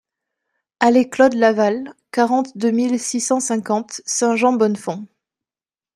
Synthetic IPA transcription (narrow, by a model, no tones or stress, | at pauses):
aleklɔd̪lavalkaʁɑ̃t̪d̪ømilsisɑ̃sɛ̃kɑ̃t̪sɛ̃ʒɑ̃bɔnfɔ̃